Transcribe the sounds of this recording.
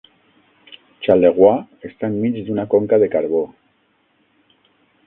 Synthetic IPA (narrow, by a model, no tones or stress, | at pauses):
t͡ʃaleɣ̞wa | est̪aemːid͡ʒd̪unakoŋkaðekaɾβ̞o